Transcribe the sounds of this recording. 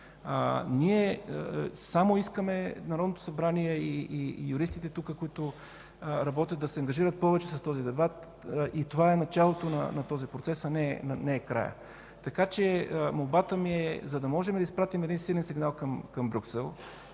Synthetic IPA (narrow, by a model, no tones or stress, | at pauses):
niɛ | samoiskəmɛnɐɾɔd̪not̪ʊ̥sɐbɾaniɛiijʊɾist̪it̪ɛt̪ukəkʊit̪ʊ | ɾɐbɔt̪ʲjət̪d̪d̪ɐsɛɐŋɡɐʒiɾət̪̚pɔvɛt͡ʃɛsɐst̪ɔzid̪ɛbat̪ | it̪ovaɛnɐt͡ʃalˠot̪onɐ̰nɐt̪ɔzipɾot̪sɛsɐnɛnɐnɛːkɾa̰jə̰ | t̪ɐkat͡ʃɛmolˠbat̪əmiɛzɐd̪ɐmɔʒɛmd̪ɐispɾat̪imɛd̪insilɛnsiɡnalˠkɐmkɐmbɾʲuksɛlˠ